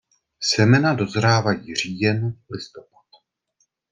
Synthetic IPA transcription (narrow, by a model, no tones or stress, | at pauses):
sɛmɛnado̞zɾaːvajiːriːjɛnlɪst̪o̞pḁt̪̚